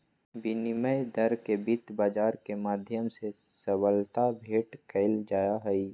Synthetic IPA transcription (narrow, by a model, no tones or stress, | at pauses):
biniməjd̪əɾkebit̪baːd͡ʒaːɾkemaːd̪ʱjəmse | səbəlt̪abʱeːʈkʰəɪld͡ʒaːjaɦɛi